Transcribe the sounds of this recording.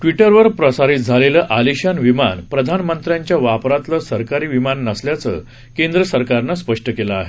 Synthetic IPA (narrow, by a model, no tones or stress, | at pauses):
ʈʋiʈəɾʋəɾpɾəsaɾit̪̚d͡zʱaleləːʔaliɕanʋimanpɾəd̪ʱanmənt̪ɾjãɲt͡ɕjaʋapɾat̪ləsəɾkaɾiːʋimanːəsljat͡sə̰ | kend̪ɾəsəɾkaɾnaspəʂʈəkela̰ːɦe